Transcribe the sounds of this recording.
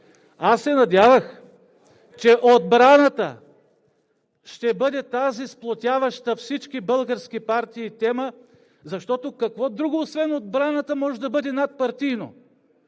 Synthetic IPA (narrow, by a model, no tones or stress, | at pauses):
asːɛnɐd̪ʲjavɐx | t͡ʃɛʔod̪bɾanɐt̪ə̰ | ʃt̪ɛbɤd̪ɛt̪azisplˠot̪ʲavɐʃt̪əfsit͡ʃkʲibɤlˠɡəɾskʲipaɾt̪iːt̪ɛmə | zɐʃt̪ɔt̪okɐkvɔd̪ɾuɡoːsvɛnod̪̚bɾanɐt̪əmɔʒɛd̪ɐbɤd̪ɛnat̪̚pɐɾt̪ijno̰